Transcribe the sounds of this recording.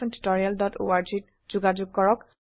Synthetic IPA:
ɛntu̥tɔɹialdɔto̰aɹd͡ʒit | z̥uɡad͡ʒʊɡ̚kːɔɹɔk

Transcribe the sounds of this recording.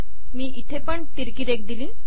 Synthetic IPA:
miːʔit̪ʰepəɳt̪iɾkiːɾek̚d̪iliː

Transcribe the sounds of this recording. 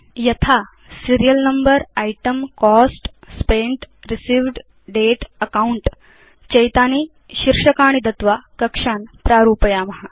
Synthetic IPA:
jɐt̪ʰa | siɾijəlnɐmbəɾajʈəmkɔsʈspeɳʈɾisiːʋɖ | ɖeʈəkauɳʈ | t͡ɕɐjt̪aːniː | ɕiɾʂəkaːɳ̃id̪ɐt̪ʋakɐkʂaːnpɾaːɾuːpəjaːmɐɦa

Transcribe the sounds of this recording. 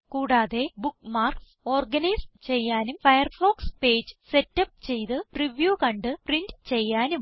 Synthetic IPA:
kuːɽaːðe̞bukːmaːrkso̞ːrɡɐnɐjst͡ɕe̞jːaːnumfɐjɐrfo̞ːkspe̞ːd͡ʑɨ̥se̞tːɐp̚ːt͡ɕe̞jt̪ɨpriʋjuːkɐɳɖɨprindt͡ɕe̞jːaːnum

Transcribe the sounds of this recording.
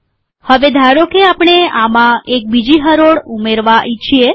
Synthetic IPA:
həʋed̪ʱaɾokeapɽ̃eamãek̚bid͡ʒiɦəɾoɽumeɾʋaʔit͡ʃʰie

